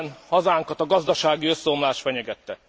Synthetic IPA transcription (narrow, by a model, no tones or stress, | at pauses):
nhɒzaːŋkɒt̪ɒɡɒzd̪ɒʃaːɡiø̞sːɛomlaːʃfɛɲɛɡɛt̪ːɛ